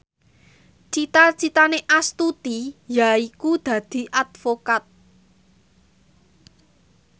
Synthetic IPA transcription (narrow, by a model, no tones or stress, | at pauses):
t͡ʃit̪at͡ʃit̪aneʔast̪ut̪ijaikud̪̥ä̤d̪̥i̤ʔad̪̥fokat̪̚